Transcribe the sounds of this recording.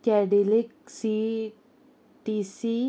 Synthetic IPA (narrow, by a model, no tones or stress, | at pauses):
kɛɖilik̚si | ʈisi